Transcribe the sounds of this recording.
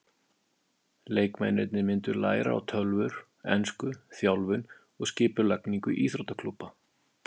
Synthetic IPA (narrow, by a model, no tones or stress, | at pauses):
leːjkma̰jnɛt̪nɪmɪnt̪ʏɾla̰ːjɾa̰a̰wt̪ʰœlvʏɾ̥ | ɛ̰nskʏθjawlvʏn | ɔɣscɪːpʏlakniŋkʏʔiːθɾot̪akʰlupːa